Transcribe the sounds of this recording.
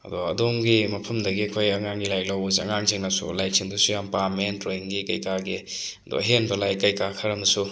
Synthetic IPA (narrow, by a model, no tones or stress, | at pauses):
ɐ̰duɐdomɡimɐpʰɐmdɐɡiɐkʰojɐŋaŋɡilajklawboziɐ̰ŋaŋziŋnasṵlajsʰiŋdusujampamentɾojiŋɡikɐjkaɡi | do̰ɦenbɐlajkɐjkakʰɐɾɐmɐsu